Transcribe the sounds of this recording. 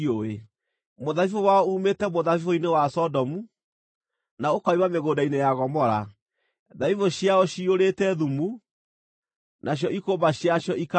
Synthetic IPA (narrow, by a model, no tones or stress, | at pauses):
oe | moðaifowaɔuːmetɛmoðaifoinewasɔdɔmu | naokaimameɣoːdainejaɣɔmɔɾa | ðaifoɕjaɔɕioɾetɛðumu | nʔaɕ̬jɔʔikoːbaɕjaɕjɔʔik